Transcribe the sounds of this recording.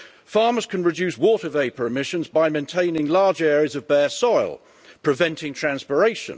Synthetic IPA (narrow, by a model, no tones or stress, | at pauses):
fɑːməz̥kʰə̃nɹɪd͡ʒʉˑswɔˑtəveɪpəɹɪmɪʃə̃nzbaɪmẽɪntʰẽɪ̃nɪ̃ŋlɑːd͡ʒɛːɹiəzəvbɛːsɔɪlˠ | pʰɹ̥ɪvɛ̃ntʰɪ̃ŋtʰɹ̥æ̃nspəɹeɪʃə̰̃n